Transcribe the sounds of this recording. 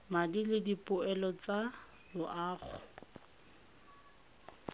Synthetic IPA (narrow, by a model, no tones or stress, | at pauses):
madilɪdipʼʊɛlɔt͡sa | lʊʔaːχʊ̰